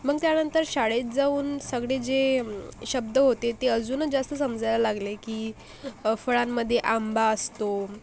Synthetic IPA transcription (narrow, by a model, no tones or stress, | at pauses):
məɡ̚t̪janənt̪əɾɕaɽet̪̚d͡zauːnsəɡɽed͡zeɕəb̚d̪əɦot̪et̪eəd͡zuːnəd͡zast̪əsəmd͡zʱajlalaɡlekiː | fəɭamːəd̪ʱːjeʔambaəst̪o